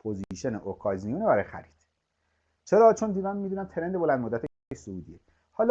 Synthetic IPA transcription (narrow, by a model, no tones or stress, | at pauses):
pʰoziʃeneʔokʰɒzijunebæɾɒjexæ̰ɾi̥d̪̥ | t͡ʃʰeɾɒːt͡ʃʰond̪iːd̪æmmiːd̪uːnæmt̪ʰeɾend̪e̞bolænd̪mod̪ːæt̪e | eʃsouːd̪ie | hɒːl